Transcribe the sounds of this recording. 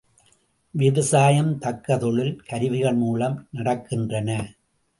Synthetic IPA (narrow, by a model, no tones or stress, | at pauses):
ʋɪʋɐsaːjɐmt̪ɐkːɐðɔɭɪlkɐɾɪʋɪɣɐɭmuːlɐmnɐɽɐkːɪndrɐnɐ